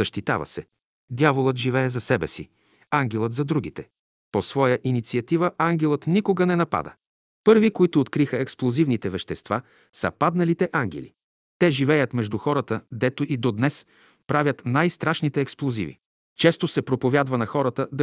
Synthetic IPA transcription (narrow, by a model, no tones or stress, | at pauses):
ɐʃt̪it̪a̰və̰sɛ | d̪javolˠət̪ʒivɛɛzɐsɛbɛsḭ | aŋɡʲɛlˠət̪zɐd̪ɾuɡ̟it̪ɛ | posvɔjəʔinit̪siɐt̪ivəʔaŋɡʲɛlˠət̪nikoɡənɛnɐpa̰d̪ə̰ | pɤɾvikoit̪ʊːt̪kɾixəɛksplˠozivnit̪ɛvɛʃt̪ɛst̪va | sɐ̰pad̪nɐlit̪ɛʔaŋɡʲɛ̰lḭ | t̪ɛʒivɛjət̪mɛʒd̪uxɔɾət̪əd̪ɛt̪oʔid̪od̪nɛs | pɾavʲət̪najst̪ɾaʃnit̪ɛːksplˠozḭvḭ | t͡ʃɛst̪osɛpɾopovʲjad̪vɐnɐxɔɾət̪əd̪ɐ